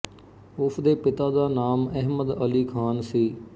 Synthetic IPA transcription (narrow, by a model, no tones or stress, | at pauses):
ʊpʰd̪eːpɪt̪aːd̪aːnaːmɛɦməd̪əliːkʰaːnsiː